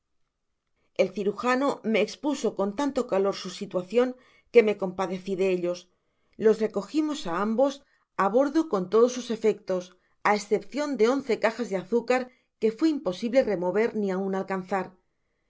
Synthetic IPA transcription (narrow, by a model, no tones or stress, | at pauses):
e̞lθiɾuxanome̞ːkspuso̞ko̞nt̪ant̪o̞kalo̞ɾsusit̪waθjo̞ŋ | ke̞me̞ko̞mpaðe̞θiðe̞eʎo̞s | lo̞sre̞ko̞ximo̞saambo̞s | aβ̞o̞ɾðoko̞nt̪o̞ðo̞sːuse̞fe̞k̚t̪o̞s | aesθe̞pθjo̞nd̪e̞o̞nθe̞kaxazðeaθukaɾ | ke̞fweimpo̞siβle̞re̞mo̞β̞e̞ɾnĩaunalkanθaɾ